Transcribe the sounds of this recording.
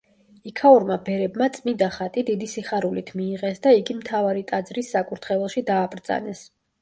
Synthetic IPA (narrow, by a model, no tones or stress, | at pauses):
ikʰauɾmabɛɾɛbmat̪sʼmid̪aχat̪ʼid̪id̪isiχaɾulit̪ʰmiːʁɛsd̪aiɡimt̪ʰavaɾit̪ʼad̪zɾisːakʼuɾt̪ʰχɛvɛlˠʃid̪aːbɾd̪z̥a̰nɛs